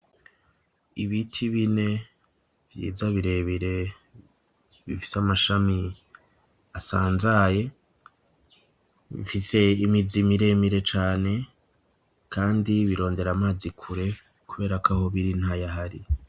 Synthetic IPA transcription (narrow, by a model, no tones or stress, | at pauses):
iβitʰiβine̞ | vjḭːzaβiɾe̞βiɾe̞ | βifi̥samaʃami | asaːnzaje̞ | βḭfise̞imizimiɾe̞miɾe̞t͡ʃaːne̞ | kʰaːndiβiɾo̞ːnde̞ɾamaːzikʰuɾe̞ | kuβe̞ːɾakaho̞βiɾin̥haːjaɦaɾi